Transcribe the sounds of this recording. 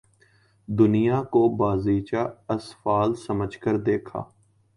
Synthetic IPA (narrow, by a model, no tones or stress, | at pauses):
d̪ʊnɪjaːkobaːziːt͡ʃaːəsfaːlsəməd͡ʒkəɾd̪eːkʰa̰ː